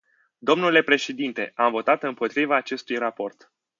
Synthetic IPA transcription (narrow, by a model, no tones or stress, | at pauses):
d̪o̞mnule̞pɾe̞ʃe̞d̪int̪e̞ʔamvo̞t̪at̪ɨmpo̞t̪ɾivaːt͡ʃe̞st̪ujrapo̞rt̪